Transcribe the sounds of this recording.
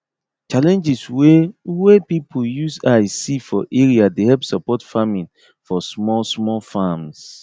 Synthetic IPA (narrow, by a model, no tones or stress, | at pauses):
t͡ʃalɛ̃nd͡ʒiswewepipʰujusasifɔʔeɹiadehɛlpsɔpɔtfamĩn | fɔsmɔlsmɔlfams